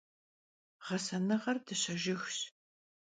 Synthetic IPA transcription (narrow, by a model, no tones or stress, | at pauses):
ʁɐsɐnɨʁɐrdɨɕɐʒɪxɕ